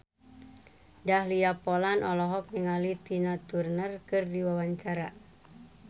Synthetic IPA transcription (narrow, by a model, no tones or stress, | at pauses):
dahliapɔlanʔɔlɔɦɔk̚niŋalit̪inat̪urnərkɨrdiwawaɲt͡ʃaɾa